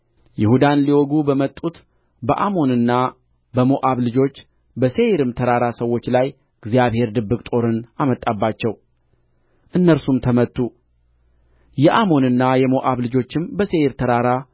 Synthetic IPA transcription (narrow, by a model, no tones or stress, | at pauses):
jɪhud̪anliwɔɡubəmət̪ʼːut̪ | bəʔamo̞nɨnːa | bəmoʔaβlɨd͡ʒo̞t͡ʃː | bəse̞jɾɨmt̪ʰəɾaɾasəwːo̞t͡ʃːlaj | ɨɡzjaβhe̞ɾd̪ɨbːɨkʼt̪ʼo̞ɾɨnamət̪ʼːabːat͡ʃːɛw | ʔɨnːəɾsumt̪ʰəmət̪ʼːu | jɛʔamo̞nɨnːajɛmoʔaβlɨd͡ʒo̞t͡ʃːɪmbəse̞ɾt̪ʰəɾaɾa